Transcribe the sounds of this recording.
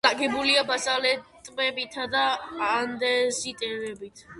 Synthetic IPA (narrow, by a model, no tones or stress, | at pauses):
aɡɛbuliabasalɛt̪ʼmɛbit̪ʰad̪aand̪ɛzit̪ʼɛɾɛbit̪ʰ